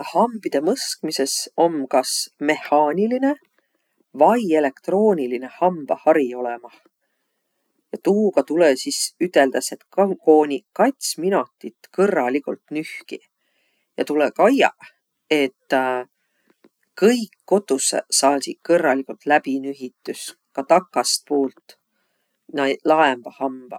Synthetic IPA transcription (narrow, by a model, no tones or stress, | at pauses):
hɑmb̥id̪̥e̞mɤskmise̞so̞mkɑsme̞hːɑːnʲiline̞ | vɑje̞le̞kt̪ro̞ːnʲiline̞hɑmb̥ɑhɑɾio̞lemɑh | jɑt̪uːɡ̥ɑt̪ulesisyt̪ːˑe̞ld̪̥ɑse̞t̪kɑko̞ːnʲikɑjt̪ʲsminot̪ːˑit̪kɤrːɑlikult̪nyhki | jɑ̰t̪ulekɑjɑ̰ | e̞t̪ː | kɤjkːo̞t̪ːˑusḛsɑːd̪ʲi̥kɤrːɑlikult̪læbinyɦit̪ːˑus | kɑt̪ɑkːˑɑst̪̚poːlt̪ː | nɑlɑemb̥ɑhɑmb̥ɑ